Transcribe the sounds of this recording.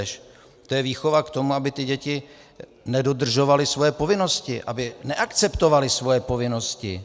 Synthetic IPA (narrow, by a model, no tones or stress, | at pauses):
ʃ | t̪ojɛviːxo̞vakt̪o̞muabɪt̪ɪɟɛcɪ | nɛdod̪r̩ʒo̞valɪsvojɛpo̞vɪno̞scɪʔabɪnɛʔakt͡sɛpt̪o̞valɪsvo̞jɛpo̞vɪno̞scɪ̰